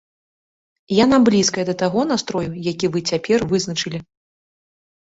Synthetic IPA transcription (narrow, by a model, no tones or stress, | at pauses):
janablʲiskɐjɛd̪ɐt̪aɣɔn̪ast̪ɾɔjujakʲivɨt͡sʲapʲɛrvɨznɐt͡ʂɨlʲi